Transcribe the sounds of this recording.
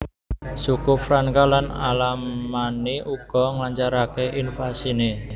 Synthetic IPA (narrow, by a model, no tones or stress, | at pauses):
sukʊfɾankalanalamaneʔuɡ̥ɔ̤ŋlaɲt͡ʃaɾakeʔinfasine